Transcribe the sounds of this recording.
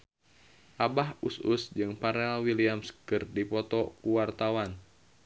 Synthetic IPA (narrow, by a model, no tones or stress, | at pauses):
ʔabaɦusṵsd͡ʒɨŋpaɾealwiliamskɨrdipɔt̪ɔkuwart̪awan